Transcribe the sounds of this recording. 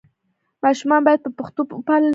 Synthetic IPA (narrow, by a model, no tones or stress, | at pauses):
maʃʊmabajad̪̚pəpʊχt̪ʊpʊpalɪ